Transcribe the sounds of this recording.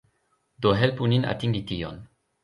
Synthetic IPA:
d̪oɦɛlpunina̰t̪iŋlit̪iɔ̰n

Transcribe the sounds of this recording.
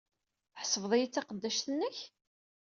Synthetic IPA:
θħsəvðˤijit͡sːɑqəd̪ːæʃt̪ənːəç

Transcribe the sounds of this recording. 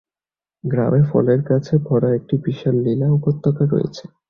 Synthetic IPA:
ɡɾa̰mefɔ̰leɾkat͡ɕʰebʱɔɾaek̚ʈipiʃalːilaukot̪ːakaɾːo̰jḛt͡ɕʰe̥

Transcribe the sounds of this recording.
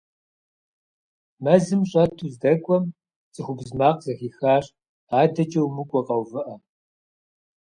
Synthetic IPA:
mɐzɨmɕʼɐtʰuzdɐkʷʼɔm | t͡sʼɨxʷʊbzmaːqzɐxiːxaːɕ | aːdɐt͡ʃʼɐwmɨkʷʼɔqʼɐwvɨʔɐ

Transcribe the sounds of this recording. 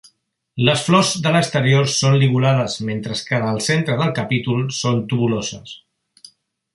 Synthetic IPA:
ləsflɔzd̪ələkst̪əɾioɾsonliɣulað̞əzment̪ɾəskənəlˠsent̪ɾəðəlˠkəpit̪ulˠsont̪uβulozəs

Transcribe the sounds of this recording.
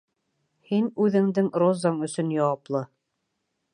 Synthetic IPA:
hinʉðɘ̆ŋd̪ɘŋrozɑɴɵ̆sɵ̆njɑwɑplˠɤ

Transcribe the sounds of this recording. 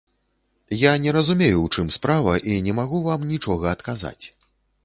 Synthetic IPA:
janʲɛɾɐzumʲejuwt͡ʂɨmspɾavɐ̰ʔinʲɛmaɣuvamnʲit͡ʂɔɣɐːt̪kaza̰t͡sʲ

